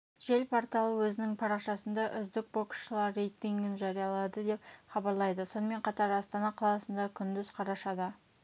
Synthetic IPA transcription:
ʒ̥e̞lpʰoɾt̪ɑlˠəwɵzɪnɪŋpʰɑɾɑqʃɑsənd̪ɑʔʏzd̪ɪk̚bokə̥sʃəlˠɑɾːejt̪iŋɡʲɪnʒɑɾijɑlˠɑd̪əd̪e̞pχɑbɑɾlˠɑjd̪əso̞nəme̞ɴqʰɑt̪ɑɾɑst̪ɑnɑqʰɑlˠɑsənd̪ɑkʲʰʏnd̪ɪzqʰɑɾɑʃɑd̪ə

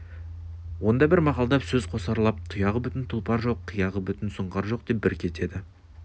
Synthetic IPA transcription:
wo̞nd̪ɑbɪɾmɑqɑlˠd̪ɑpsɵz̥qʰo̞sɑɾlˠɑp̚t̪ʰʊjɑʁəbʏt̪ɪnt̪ʰʊlˠpɑɾʒo̞qʰːijɑʁəbʏt̪ɪnsʊɴqɑɾʒo̞q̚d̪e̞p̚bɪɾkʲʰe̞t̪e̞d̪ɪ

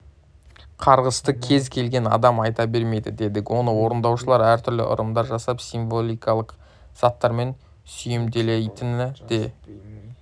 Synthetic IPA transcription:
qʰɑɾʁəst̪əkʲʰe̞zkʲʰe̞lɡʲe̞nɑ̰d̪ɑmɑjt̪ɑbe̞ɾme̞jd̪ɪ̰d̪e̞d̪ɪkʲwo̞nəwo̞ɾənd̪ɑwʃəlˠɑɾæɾt̪ʰʏɾlɪ̰ʔʊ̰ɾəmd̪ɑɾʒɑsɑpsiɱvo̞lʲˠijkɑlˠəq | z̥ɑt̪ːɑɾme̞n | sʏjɪmd̪e̞lejt̪ɪnɪd̪̥e̞

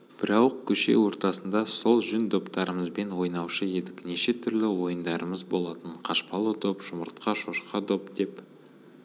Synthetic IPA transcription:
b̥ɪɾɑwəq̚kʲʰɵʃe̞̰wo̞ɾt̪ɑsənd̪ɑso̞lˠʒʏnd̪o̞pt̪ɑɾəməzbe̞nwo̞jnɑwʃəe̞d̪ɪkne̞ʃe̞t̪ʰʏɾlɪwo̞jənd̪ɑɾəməzbo̞lˠɑt̪əɴqʰɑʃpɑlˠəd̪opʒ̥ʊməɾt̪̚qɑʃo̞ʃqɑd̪o̞pd̪e̞p

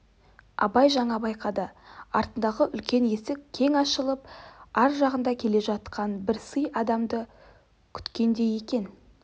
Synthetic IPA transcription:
ɑ̰bɑjʒɑɴɑbɑjqɑd̪əɑ̰ɾt̪ənd̪ɑʁəʔʏlkʲe̞nje̞sɪkkʲʰe̞ŋɑʃəlˠəp̚ɑɾʒɑʁənd̪ɑkʲʰe̞le̞ʒɑt̪qʰɑnbɪɾsəjɑd̪ɑmd̪ə | kʲʰʏ̥t̪kʲe̞nd̪e̞je̞kʲe̞n

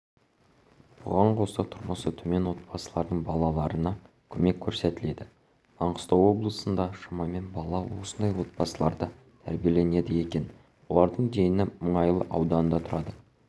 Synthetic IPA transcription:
b̥ʊ̰ʁɑɴqʰo̞sɑt̪ʰʊɾməsət̪ʰɵme̞nwo̞t̪̚bɑsəlˠɑɾd̪əɴbɑlˠɑlˠɑɾənɑ | kʲʰɵme̞kʲʰːɵɾse̞t̪ɪle̞d̪ɪ | ɑɴqə̥st̪ɑwo̞blˠəsənd̪ɑʃɑmɑme̞nbɑlˠɑwo̞sənd̪ɑjwo̞t̪̚bɑsəlˠɑɾd̪ə | t̪ʰæ̰ɾbije̞le̞ne̞d̪ɪje̞kʲe̞n | wo̞lˠɑɾd̪əɴd̪e̞jɪnɪməɴɑjəlˠəʔɑwd̪ɑnənd̪ɑt̪ʰʊɾɑd̪ə

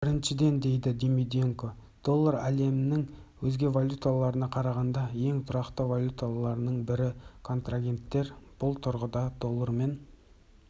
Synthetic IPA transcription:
b̥ɪɾɪnʃɪd̪e̞nd̪e̞jd̪ɪd̪imid̪ieŋko̞ | d̪̥o̞lˠːəɾæle̞mɪnɪŋwɵzɡʲe̞valʲut̪alˠɑɾənɑqʰɑɾɑʁɑnd̪ɑje̞ŋt̪ʰʊɾɑqt̪əvolʲjut̪alˠɑɾnəɴbɪɾɪkʰo̞nt̪raɡʲe̞nt̪ːe̞ɾb̥ʊlˠt̪ʰʊɾʁəd̪ɑd̪̥o̞lˠːəɾme̞n

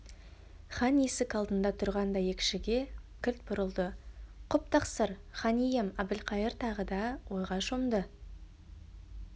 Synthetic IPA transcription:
χɑnesɪkɑlˠd̪ənd̪ɑt̪ʰʊɾʁɑnd̪ɑjekʲʃɪɡʲe̞kʲʰɪɾt̪̚bʊɾəlˠd̪əqʰʊp̚t̪ʰɑqsəɾχɑnijemɑbɪlqʰɑjəɾt̪ʰɑʁəd̪ɑwʔo̞jʁɑʃomd̪ə

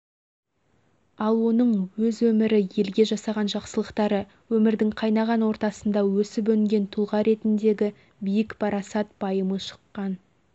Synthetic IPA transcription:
ɑlˠwo̞nəɴwɵzwɵmɪɾɪje̞lɡʲe̞ʒɑsɑʁɑnʒɑqsəlˠəqt̪ɑɾə | wɵmɪɾd̪ɪŋqʰɑjnɑʁɑnwo̞ɾt̪ɑsənd̪ɑwɵsɪpɵŋɡʲe̞nt̪ʰulˠʁɑɾe̞t̪ɪnd̪e̞ɡʲɪ | bijɪkpʰɑɾɑsɑt̪̚b̥ɑjəməʃə̥qːɑn

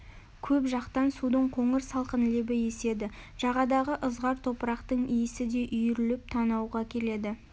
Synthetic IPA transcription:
kʲʰɵpʒɑqt̪ɑnsud̪əɴqʰoɴəɾsɑlˠqənlebɪje̞se̞d̪ɪʒ̥ɑʁɑd̪ɑʁəʔəzʁɑɾt̪ʰo̞pəɾɑqt̪əɴijɪsɪd̪e̞ʔʏjɪɾɪlɪp̚t̪ʰɑnɑwʁɑkʲʰe̞le̞d̪ɪ

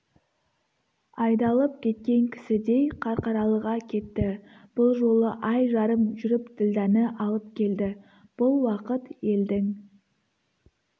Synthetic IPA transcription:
ɑjd̪ɑlˠəp̚kʲʰe̞t̪̚kʲe̞ŋkʲʰɪ̥sɪd̪e̞jqʰɑɾqɑɾɑlˠəʁɑkʲʰe̞t̪ːɪ | b̥ʊlˠʒo̞lˠəʔɑjʒɑɾəmʒʏɾɪpt̪ʰɪld̪ænəʔɑlˠəpkʲʰe̞ld̪ɪ | b̥ʊlˠwɑqət̪je̞ld̪ɪŋ

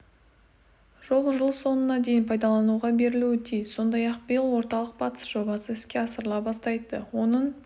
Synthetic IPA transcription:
ʒo̞lˠʒəlˠso̞nənɑd̪e̞jɪnpʰɑjd̪ɑlˠɑnuʁɑbe̞ɾɪluɪt̪ʰijzso̞nd̪ɑjɑq̚bəjɪlˠwo̞ɾt̪ɑlˠəq̚bɑt̪ə̥sʒ̥o̞bɑsəɪskʲeɑsəɾəlˠɑbɑst̪ɑjd̪əwo̞nəɴ

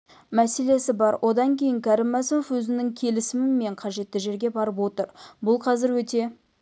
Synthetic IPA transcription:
mæse̞le̞sɪbɑɾwʔo̞d̪ɑŋkʲʰe̞jɪŋkʲʰɑɾɪmːæsɪmofwɵzɪnɪŋkʲʰe̞lɪsɪmɪnme̞ɴqʰɑʒe̞t̪ːɪʒe̞ɾɡʲe̞bɑɾəpwo̞t̪əɾbʊlˠqʰɑzɪɾwɵt̪e̞

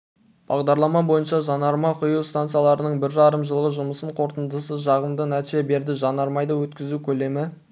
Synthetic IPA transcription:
b̥ɑʁd̪ɑɾlˠɑmɑbo̞jənʃɑʒɑnɑɾmɑqʰʊjuwst̪ant̪sɨjɑlˠɑɾənəɴbɪɾʒɑɾəmʒəlˠʁəʒʊməsəɴqʰo̞ɾt̪ənd̪əsəʒɑʁəmd̪ənæt̪ʃe̞be̞ɾd̪ɪʒɑnɑɾmɑjd̪ɑwɵt̪kʲɪzukʲʰɵle̞mɪ

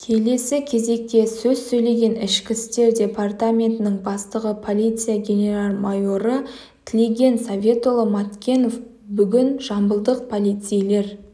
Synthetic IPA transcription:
kʲʰe̞le̞sɪkʲʰe̞ze̞k̚t̪e̞sɵzsɵjle̞ɡʲe̞nɪʃkʲɪst̪e̞ɾdʲe̞part̪amʲe̞nt̪ɪnɪŋbɑst̪əʁəpʰo̞lʲijt̪sɨjaɡʲe̞nʲe̞ralˠmajo̞ɾə | t̪ʰɪle̞ɡʲe̞nsavʲe̞t̪o̞lˠəmat̪kʲe̞no̞f | bʏɡʲɪnʒɑmbəlˠd̪əq̚pʰo̞lʲijt̪sɨjle̞ɾ

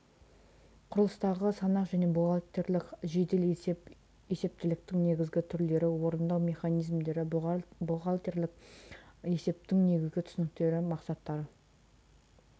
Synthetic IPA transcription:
qʰʊɾəlˠəst̪ɑʁəsɑnɑqʒæne̞boɑt̪e̞ɾlɪkʒe̞d̪el | e̞se̞p̚t̪ɪlɪk̚t̪ɪŋne̞ɡʲɪzɡʲɪt̪ʰʏɾle̞ɾɪwo̞ɾənd̪ɑwmʲe̞χɑnijzmd̪e̞ɾɪboʁɑlˠt̪eɾlɪk̚ | e̞se̞p̚t̪ɪŋne̞ɡʲɪzɡʲɪt̪ʰʏ̥sɪnɪk̚t̪e̞ɾɪmɑqsɑt̪ːɑɾə

